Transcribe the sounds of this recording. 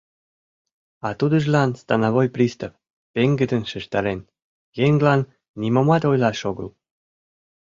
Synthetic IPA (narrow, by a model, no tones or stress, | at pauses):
ɑt̪ud̪ə̆ʒlɑnst̪ɑnɑβojprʲist̪əf | peŋɡə̆d̪ə̆nʃə̆ʃt̪ɑɾen | jeŋɡlɑnː | imomɑt̪ojlɑʃoɣə̰l